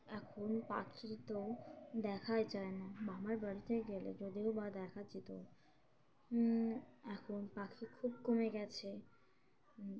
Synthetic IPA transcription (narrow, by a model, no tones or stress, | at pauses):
ɛkʰonpakʰiɾt̪od̪ɛkʰajt͡ɕaenabamaɾbaɾit̪ʰeɡelḛd͡ʑod̪iobad̪ɛkʰad͡ʑit̪o | ɛkʰonpakʰikʰub̚komeɡɛt͡ɕʰe